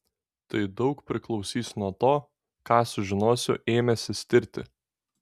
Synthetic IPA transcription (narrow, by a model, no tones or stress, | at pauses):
t̪ɐɪd̪ɒʊkpʲɾʲɪklˠɒʊsʲiːsnuɔt̪oː | kɑːsʊʒʲɪnoːsʲʊʔeːmʲɛsʲɪsʲt̪ʲɪɾʲt̪ʲɪ̰